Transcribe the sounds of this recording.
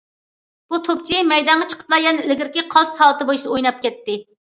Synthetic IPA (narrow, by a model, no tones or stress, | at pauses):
b̥ut̪ʰop̚t͡ʃʰimɛjd̪ɑɴʁɑt͡ʃʰə̥qʰə̥plˠɑɾjɛnɪlɪɡʲɪɾkʲɪqʰɑlˠsɑlˠɨt̪ɨbojiʃd̪ɨojnɑp̚kʲɛt̪ʰːɪ